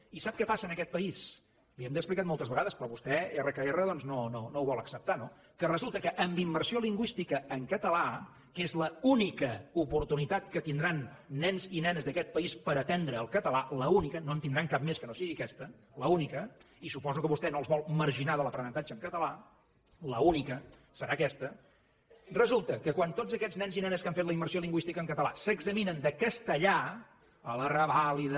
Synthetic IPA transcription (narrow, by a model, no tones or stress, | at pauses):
isap̚kɛpasəːnəkɛt̪̚pəis | liɛmd̪əksplikat̪̚mɔlˠt̪əzβəɣaðəspɾɔβust̪ɛerəkəerəðɔnznononowβɔləksəp̚t̪ano | kərəzulˠt̪əkəʔəmbimbərsioliŋɡwist̪ikəːŋkət̪əla | kezləunikəupuɾt̪unit̪at̪̚kət̪ind̪ɾanːɛnzinɛnəzðəkɛt̪̚pəispəɾəp̪ɛnd̪ɾəːlˠkət̪əlaləunikənoənt̪ind̪ɾaŋkap̚meskənosiɣikɛst̪ə | ləunikə | isupɔzukəβust̪ɛnoəlzβɔlˠməɾʒinaðələpɾənənt̪ad͡ʒəŋkət̪əla | ləunikə | səɾaəkɛst̪ə | rəzulˠt̪əkəkwant̪ozəkɛznɛnzinɛnəskaɱfet̪ləimbəɾrsioliŋɡwist̪ikəŋkət̪əlˠa̰səɡzəminənd̪əkəst̪əʎa | ələrəβaliðə